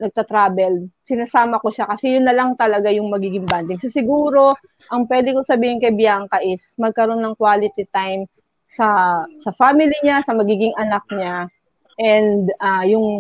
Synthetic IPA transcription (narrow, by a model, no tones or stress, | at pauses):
nɐɡ̚t̪ɐt̪ɾaːbɛlsɪnasaːmɐko̞ʃakɐsɛjʊnːɐlɐŋt̪ɐlɐɡajʊŋmɐɡiːɡɪŋbant̪ɪŋsɐsɪɡuːɾo̞ | ʔɐŋpwɛd̪ɪkosɐbiːhɪnkɐjbɪjaːŋkɐʔɪsmɐɡ̚kɐɾo̞nːɐŋkwaːlɪt̪it̪ajm | sɐsɐfaːmɪliɲasɐmɐɡiːɡɪŋʔɐnak̚ɲa | ʔɛnd̪ajʊŋ